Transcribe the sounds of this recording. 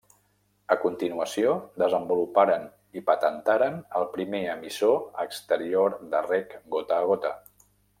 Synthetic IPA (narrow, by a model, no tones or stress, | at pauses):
əkunt̪inuəsiod̪əzəmbulupaɾən | ipət̪ənt̪aɾənəlˠpɾimeəmisoəkst̪əɾioɾd̪ərɛkɡot̪əːɣot̪ə